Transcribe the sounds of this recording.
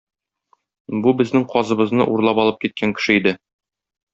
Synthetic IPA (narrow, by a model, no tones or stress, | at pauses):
bubɘ̆znɘŋqɒzɤ̆βɤ̆znɤʔuɾlˠɑpɒlˠɤp̚kit̪̚kʰæŋkɘ̥̆ʃɘid̪ɘ